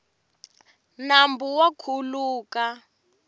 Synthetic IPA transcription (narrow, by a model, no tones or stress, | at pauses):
nambuwakʰuluːka